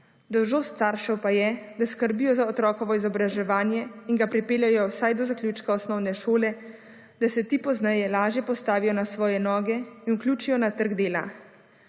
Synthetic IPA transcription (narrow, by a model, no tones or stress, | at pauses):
d̪ɔwʒoːst̪saɾʃɛwpajɛd̪askəɾbiːjɔzaɔt̪ɾɔːkɔʋɔizɔbɾaʒɛʋaːnjɛiŋɡapɾipeːljajɔwsajd̪ɔzaklʲjuːt͡ʃkaɔsnɔwnɛʃoːlɛ | d̪̥asɛt̪iːpɔznɛjɛlaːʒjɛpɔst̪aːʋijɔnasʋɔːjɛnɔːɡɛinuklʲjuːt͡ʃijɔnat̪əɾɡd̪eːla̰